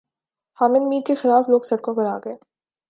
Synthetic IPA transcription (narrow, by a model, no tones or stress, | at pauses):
haːmɪnmiːkexɪlaːfloːɡsɐɽ̚kõkɐɾaːɡɐeː